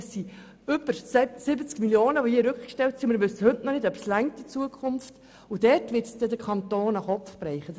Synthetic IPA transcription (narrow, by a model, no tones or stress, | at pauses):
ɛssi | ʏb̥əɾsɪbət͡skmiljoːnəʋɔhiəɾʉkχkʃtɛltsimɪɾvʋʉsəhɵtnɔnɪdœpslæŋk̚tit͡suəkʰʊmft | ʊd̥ɛrtʋɪtst̪ɛdəkʰχɑnt̪oːnɑχɔpfbɾɛɪχə